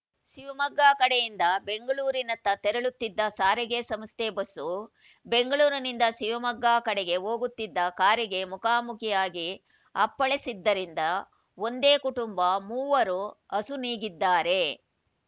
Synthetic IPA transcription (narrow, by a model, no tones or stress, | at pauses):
ʃiʋɐmɐɡːaːkɐɽejind̪ɐbe̞ŋɡɐɭuːɾinɐt̪ːɐt̪ɛɾɐɭut̪ːid̪ːɐsaːɾɛɡesɐmst̪ebɐsːu | be̞ŋɡɐɭuːɾɐnind̪ɐʃiʋɐmɐɡːaːkɐɽɛɡe̞ɦo̞ːɡut̪ːid̪ːɐkaːɾiɡe̞mukaːmukʰijaːɡi | ɐpːɐɭesid̪ːɐɾind̪ɐ | o̞nd̪e̞ːkuʈumbɐmuːʋɐɾuɐsuniːɡid̪ːaːɾe̞